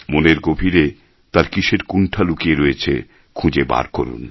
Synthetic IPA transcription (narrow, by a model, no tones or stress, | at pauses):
moneɾɡobʱiɾe | t̪aɾkiʃeɾkunʈʰalukieɾojet͡ɕʰḛ | kʰũd͡ʑeba̰ɾko̰ɾṵn